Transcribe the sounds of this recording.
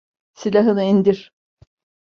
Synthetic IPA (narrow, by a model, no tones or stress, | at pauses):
silʲaɦɯnɯind̪iɾ̥